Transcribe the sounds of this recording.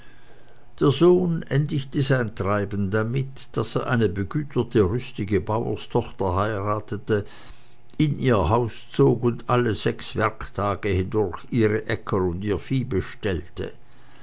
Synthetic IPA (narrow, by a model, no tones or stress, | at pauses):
d̥eːɐzoːnʔɛndɪçtəzaɪntʁ̥aɪbn̩damɪt | d̥aseːɐʔa̰ɪnəbəɡyːtʰɐtʰəʁʏstɪɡəbaʊɐ̰stʰɔχtɐhaɪʁaːtətə | ʔɪnʔiːɐɦaʊst͡soːkʊndʔaləzɛksv̥ɛɐktʰaːɡəhɪndʊɐçʔiːʁəʔɛkʰəʊndiːɐfiːbəʃtɛltʰə̰